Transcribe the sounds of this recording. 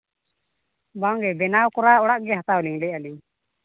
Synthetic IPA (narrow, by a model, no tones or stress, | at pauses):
baŋɡɛbɛnawkɔɾaɔɽaʔɡɛɦat̪awliŋlɛaliŋ